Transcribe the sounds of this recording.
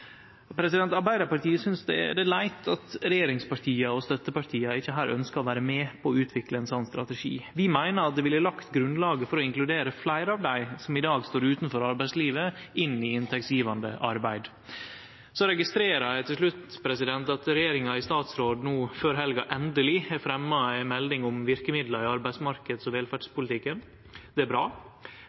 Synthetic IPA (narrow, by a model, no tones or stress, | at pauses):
pʰɾɛsɪd̪ɛnt̪ɑɾbæɪd̪ɑɾpɑɾʈiːəsʏnsd̪ɛ̰ɖɛlæɪt̪ʰɑt̪ɾɛjeːɾɪŋspɑɾʈʰiːɑɔst̪œt̪ːəpɑɾʈʰiːɑɪçːəɦæːɾʔœ̰nskɑɔʋæːɾəmeːpʰɔːʉːt̪ʰʋɪkləɛnsɔnːst̪ɾɑ̰t̪ɛʂḭːʋɪmæɪnəɾɑt̪̚d̪ɛʋɪləlɑkt̪ɡɾʉnlɑːɡəfɔɾɔɪŋklʉd̪eːɾəflæɪɾəɑʋd̪æɪsɔmɪd̪ɑːɡst̪oːɾʉːt̪nfɔɾɑɾbæɪsliːʋəɪnːɪɪnt̪ʰɛk̚sjiːʋɑnd̪əʔɑɾbæɪd̪ | sɔɾɛɡɪst̪ɾeːɾɑæɪt̪ʰɪlʂlʉt̪pʰɾɛsɪd̪ɛnt̪ɑt̪ɾɛjeːɾɪŋɑɪst̪ɑːt̪sɾoːd̪nuːføːɾɦɛlɡɑʔɛnd̪əlɪæɾfɾɛmːɑæɪmɛld̪ɪŋʊmʋɪɾkəmɪd̪ləɾɪɑɾbæɪsmɑɾkəd̪sɔʋeːlfæɖʂpʊlɪt̪ɪkːən | d̪̥ɛæɾbɾɑː